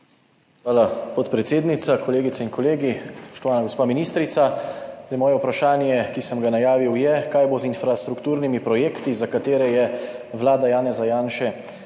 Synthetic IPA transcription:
xʋaːlapɔt̪pɾɛt̪seːd̪nit̪sakoleːɡit̪ainkɔleːɡispɔ̥ʃt̪ɔʋaːnaɡospaːminiːst̪ɾit̪sazəjmɔːjɛupɾaʃaːnjɛkisəmɡanajaːʋiwjɛkaːjbozinfɾast̪ɾukt̪uːɾnimipɾɔjeːkt̪izakat̪eːɾɛjɛʋlaːd̪ajaːnɛzajaːnʃɛ

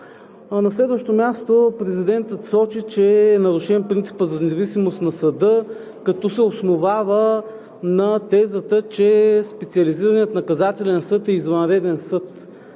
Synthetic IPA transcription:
nɐslɛd̪vəʃt̪omʲjast̪opɾɛzid̪ɛnt̪ət̪sɔt͡ʃit͡ʃɛːnɐɾʊʃɛnpɾint̪si̥pəzɐnɛzɐvisimost̪nɐsɐd̪ɤ | kɐt̪ɔsɛosnovavə | nɐt̪ɛzət̪ət͡ʃɛspɛt̪sʲiɐliziɾəniət̪nɐkɐzat̪ɛlʲɛnsɤt̪ɛizvɐnɾɛd̪ɛnsɤt̪

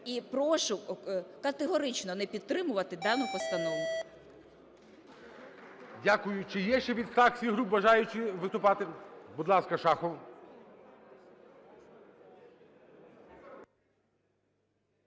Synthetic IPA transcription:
ipɾɔʃʊkɐt̪eɦɔɾɪt͡ʃnɔnɛpʲid̪̚t̪ɾɪmʊʋɐt̪ɪd̪ɑnʊpɔst̪ɐnɔʋʊ | dʲakʊjʊt͡ʃɪjɛʃt͡ʃɛʋʲid̪st̪ɑxsʲiɦɾupbɐʒɑjʊt͡ʃɪʋɪst̪ʊpɑt̪ɪbud̪lˠɑskɐʃɑxɔw

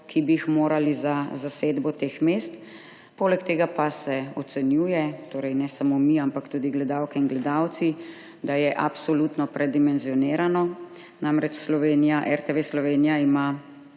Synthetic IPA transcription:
kʰibiːxmoːɾalizazaseːd̪bɔt̪eːxmest̪ | poːlɛkt̪eːɡapasɛɔt̪sɛnjuːjɛt̪oːɾɛjnɛsamomiampakt̪uːd̪iɡlɛd̪awkɛinɡlɛd̪awt̪si | d̪ajɛʔapsɔlut̪nɔpɾɛd̪imɛnzijɔneːɾanɔ | namɾɛt͡ʃslɔʋeːnijaʔɛɾt̪eʋeslɔʋeːnijaima

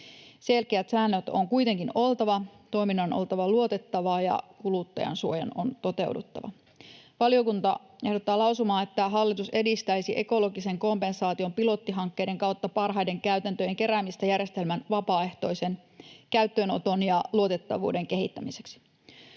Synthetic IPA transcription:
se̞lkeæt̪sæːnːøt̪oŋkujt̪eŋkino̞lˠt̪ɑʋɑt̪o̞jminːɑnʔo̞̰lt̪ɑʋɑluo̞t̪e̞t̪ːɑʋɑːjɑ̰kulut̪ːɑ̰jɑ̰nsuo̞jɑ̰no̰nt̪o̞t̪e̞wdṵt̪ːɑ̰ʋɑ̰ | ʋɑlijo̞kunt̪ɑ | e̞hdo̞t̪ːɑːlɑwsumɑːnet̪ːæɦɑlːit̪use̞dist̪æjsiʔe̞ko̞lo̞ɡise̞ŋko̞mpe̞nsɑːt̪io̞mpilo̞t̪ːiɦɑŋkːe̞jde̞ŋkɑwt̪ːɑpɑrɦɑjde̞ŋkæyt̪ænt̪øje̞ŋke̞ɾæːmist̪æjærje̞st̪e̞lmænʋɑpɑːe̞ht̪o̞jsenkæyt̪ːøno̞t̪o̞njɑluo̞t̪e̞t̪ːɑʋṵːde̞ŋke̞ɦit̪ːæmise̞ksi̥

